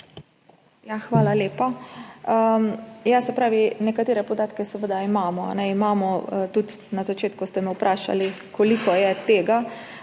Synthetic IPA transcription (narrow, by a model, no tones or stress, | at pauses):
jaxʋaːlaleːpaəmjasɛpɾaːʋinɛkat̪eːɾɛpɔd̪aːt̪kɛsɛʋəd̪aimaːmɔa̰nɛimaːmɔt̪ut̪nazat͡ʃeːt̪kust̪ɛmɛwpɾʔaːʃa̰likɔlikɔjɛt̪eːɡa